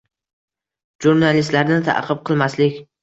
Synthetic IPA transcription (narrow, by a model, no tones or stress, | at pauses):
ʒuɾnalɪst̪laɾnɪt̪ʰa̰ʔqʰɨp̚qʰɨlˠmaslɪkʲ